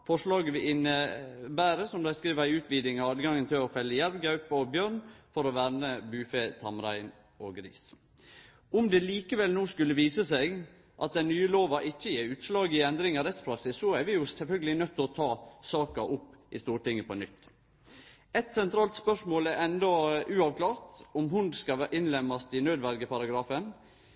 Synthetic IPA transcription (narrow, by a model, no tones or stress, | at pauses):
fɔʂlɑːɡəʋɪɪnəbæːɾəsɔmd̪æɪskɾiːʋəæɪʉːt̪ʰʋiːd̪ɪŋɑɑːd̪ɡɑŋːənt̪ʰɪlɔfɛlːəjælʋɡɑʉpɑɔbjøːɾɳfɔɾɔʋæɾnəbʉːfeːt̪ʰɑmɾæɪn | oːɡɾḭːs | ʊmd̪ɛliːkəʋɛlnuːskʉlːəʋiːsəseːɡ | ʔɑt̪̚d̪ɛnnyːəloːʋɑʔɪçːəjeːɾʉːt̪slɑːɡɪɛnd̪ɾɪŋɑɾɛt̪spʰɾɑksɪsːɔæɾʋɪjʊsɛlfœlɡəlɪnœt̪ːɔt̪ʰɑːsɑːkɑʔʊpːʔɪst̪uːɾʈɪŋːəpʰɔnʏt̪ː | ɛt̪sɛnt̪ʰɾɑːlt̪spœʂmoːlæɾɛnd̪ɔʔʉːɑʋkʰlɑːɾt̪ɔmɦʊnd̪skɑʔɪnlɛmɑst̪ɪnøːd̪ʋæɾɡəpɑɾɑɡɾɑːfən